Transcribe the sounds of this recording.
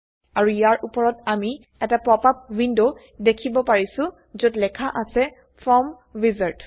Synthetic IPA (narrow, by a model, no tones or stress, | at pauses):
aɹuijaɹʔupɔɹɔtami | ɛtapɹɔpap̚windo | dekʰibɔpaɹisʊ̃ | zotlɛkʰaʔasɛ | pʰɹɔm | vizaɹt